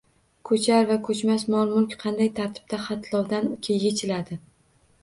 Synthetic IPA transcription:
kʰɵt͡ʃʰaɾvakʰɵt͡ʃmasmɒlˠmʊlkʲqʰɑnd̪ajt̪ʰaɾt̪ʰɪ̥b̥̚t̪aχɑt̪ʰlˠɒwd̪anʊkʲʰejʲet͡ʃʰɪlad̪ɪ

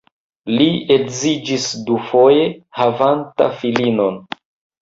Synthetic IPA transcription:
liekzid͡ʒisdufo̞je̞havanta̰filino̞n

